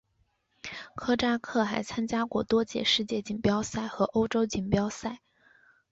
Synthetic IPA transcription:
kʰɤ˥ʈ͡ʂa˥kʰɤ˥˩xa˧˥ɪt͡sʰa˥nt͡ɕja˥kwɔ˥˩t̪wɔ˥t͡ɕjɛ̰˥˩ʂɻ̩˥˧t͡ɕjɛ˥˩t͡ɕi˨˩npjɑ˥ʊsa˥˩ɪxɤ˧˥ʔo˥ʊʈ͡ʂo˥ʊt͡ɕi˨˩npjɑ˥ʊsa˥˩ɪ

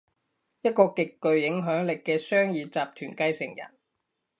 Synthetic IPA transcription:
jɐ˥t̚kɔː˧kɪ˨kːɵ˨ɥjɪ˨˥ŋɦœː˨˥ŋlɪ˨kːɛː˧sœː˥ŋjiː˨˧t͡saː˨p̚t̪ʰyː˨˩nkɐ˧jsɪ̰˨˩ŋjɐ̰˨˩n

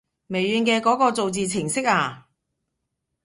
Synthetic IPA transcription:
me˨˩jɥyː˨˧nkɛː˧kɔː˨˥kɔː˧t͡so˨wt͡siː˨t͡sʰɪ˨˩ŋsɪ˥k̚aː˧˩

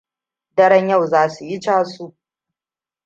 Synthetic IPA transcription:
dɐ˦ɾɐ˦ɲjɐ˦˨wzaː˦su˨jɪ˦t͡ʃaː˦su˦ʔ

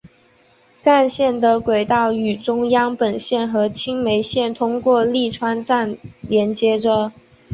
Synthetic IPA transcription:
ka˥˧nɕjɛ˥˩nd̪ə˨kwe˨˩ɪt̪ɑ˥˩ʊy˨˩ʈ͡ʂʊ˥ŋjɑ˥ŋpə˨˩nɕjɛ˥˩nxɤ˧˥t͡ɕʰi˥ŋme˧˥ɪɕjɛ˥˩nt̪ʰʊ˥ŋkwɔ˥˧li˥˩ʈ͡ʂʰwa˥nʈ͡ʂa˥˩nljɛ˧˥nt͡ɕjɛ˧˥ʈ͡ʂə˧

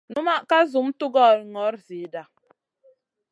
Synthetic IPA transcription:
nu˦ma˦ka˦zu˨m̩˦tu˦ɡɔ˦˨ɾŋɔ˨˦ɾzi˨˦da˨

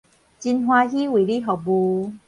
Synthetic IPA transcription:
t͡ɕi˧nɦw̃ã˧ɦi˦wi˨˩li˦˨ɦɔ˨bu˧

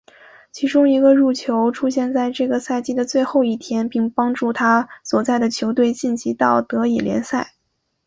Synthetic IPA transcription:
t͡ɕʰi˧˥ʈ͡ʂʊ˥ŋi˧˥ɡə˧ɻu˥˩t͡ɕʰjo˧˥ʊʈ͡ʂʰu˥ɕjɛ˥˧nt͡sa˥˧ɪʈ͡ʂɤ˥˩ɡə˩sa˥˧ɪt͡ɕi˥˩d̪ə˨t͡swe˥˧ɪxo˥˧ʊi˥˩t̪ʰjɛ˥npi˥˩ŋpɑ˥ŋʈ͡ʂu˥˩t̪ʰa˥swɔ˨˩t͡sa˥˩ɪd̪ə˩t͡ɕʰjo˧˥ʊt̪we˥˧ɪt͡ɕi˥˩nt͡ɕi˧˥t̪ɑ˥˩ʊt̪ɤ˧˥i˨˩ljɛ̰˧˥nsa˥˩ɪ

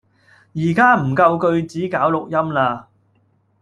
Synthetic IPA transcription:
jiː˨˩kaː˥m̩˨˩kɐ˧wkɵ˧ɥt͡siː˨˥kaː˨˥wlʊ˨k̚jɐ˥mlaː˧

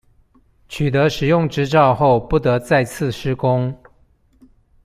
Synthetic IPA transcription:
t͡ɕʰy˨˩t̪̬ə˨˦ʂɻ̩˨˩jʊ˥˩ŋʈ͡ʂɻ̩˥ʈ͡ʂɑ˥˧ʊxo˥˨ʊpu˥˩t̪ə˧˦t͡sa˥˧ɪt͡s̩ʰ˥˨ʂɻ̩˥kʊ˦ŋ

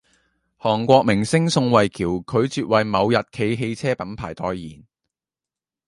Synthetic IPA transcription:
hɔː˨˩ŋkʷɔː˧k̚mɪ˨˩ŋsɪ˥ŋsʊ˧ŋwɐ˨jkʰiː˨˩wkʰɵ˨˧ɥt͡syː˨t̚wɐ˨jmɐ˨˧wjɐ˨t̚kʰe˧jɦe˧jt͡sʰɛː˥pɐ˨˧˥npʰaː˨˩jt̪ɔː˨jːiː˨˩n

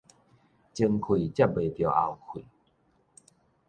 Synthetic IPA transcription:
t͡ɕi˧ŋkʰwi˨˩t͡ɕja˥˦˩p̚be˨˩t̪jɔ˨˩a̰˨˩wkʰwi˨

